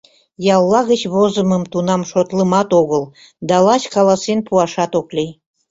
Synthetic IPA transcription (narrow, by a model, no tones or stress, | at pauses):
jɑlˠːɑɣət͡ɕβozəməmt̪unɑmʃot̪ləmɑt̪oɣəl | d̪ɑlɑt͡ɕkɑlˠɑsenpuɑʃɑt̪oklʲej